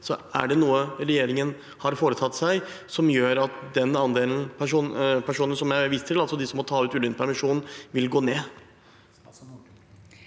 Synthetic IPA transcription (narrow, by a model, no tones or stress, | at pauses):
sɔæ̰ɖɛnuːəɾɛjeːɾɪŋən | hɑɾfoːɾət̪ʰɑt̪ːsæɪsɔmjøːɾɑt̪d̪ɛnɑnd̪eːln̩pʰæʂuːnpʰæʂuːnənsɔmjæɪʋɪst̪t̪ʰɪlɑlsɔd̪ɪsɔmɔt̪ʰɑːʉːt̪ʉːlʏnpʰæɾmɪʂuːnnʋɪlɡoːneː